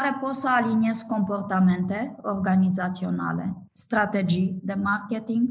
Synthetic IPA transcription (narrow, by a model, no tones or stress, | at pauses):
aɾepot̪səalinieskko̞mpo̞rt̪ament̪eorɡanizat̪sio̞na̰lḛ | st̪ɾat̪ed͡ʒid̪emarket̪iŋɡ